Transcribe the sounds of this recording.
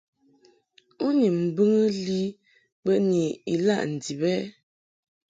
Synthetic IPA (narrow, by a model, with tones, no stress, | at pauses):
u˦ni˨m̩˨bə˦ŋə˦li˦ | bə˦˨ni˨i˨la˦˨ʔn̩˨di˨bɛ˦